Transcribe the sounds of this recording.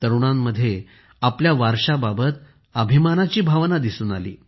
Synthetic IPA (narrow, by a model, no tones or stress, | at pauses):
t̪əɾuɳ̃amːəd̪ʱːje | apljaʋaɾʂababət̪ | əbʱimanat͡ɕiːbʱaʋnad̪isuːna̰lḭː